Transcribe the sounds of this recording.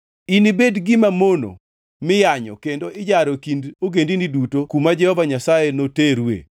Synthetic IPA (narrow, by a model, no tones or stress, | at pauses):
inibedɡɪmamono̰ | mɪjaɲɔ̰kendoɪd͡ʒaɾokindoɡendinidutokumad͡ʒɛhɔvaɲasajenoteɾwḛ